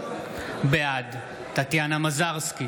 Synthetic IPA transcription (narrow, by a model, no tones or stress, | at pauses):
bead̪ | tat̪janamazaʁski